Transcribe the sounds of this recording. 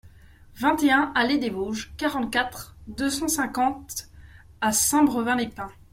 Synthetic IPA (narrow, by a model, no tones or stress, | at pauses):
vɛ̃t̪eɛ̃ʔaled̪evoʒkaʁɑ̃t̪̚kʲat̪χd̪øsɑ̃sɛ̃kɑ̃t̪ | asɛ̃bʁəvɛ̃epɛ̃